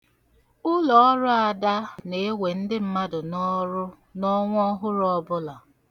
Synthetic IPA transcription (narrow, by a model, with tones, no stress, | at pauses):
ʊ˦lɔ˨ɔ˦ɾʊ˦a˨da˦ne˨˦e˦we˨n̩˦dɪ˦m̩˦ma˦dʊ˨n˦ | nɔ˦ŋʷ˦ɔ˦ɦʊ˦ɾɔ˦bʊ˦la˨